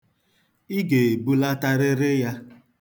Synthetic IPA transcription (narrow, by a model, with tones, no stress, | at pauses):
i˦ɡe˨bu˦la˦ta˦ɾɪ˦ɾɪ˦ja˦